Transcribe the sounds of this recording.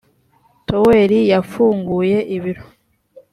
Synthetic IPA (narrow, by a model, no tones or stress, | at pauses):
toweɾijafuːŋɡuje̞ʔiβiɾo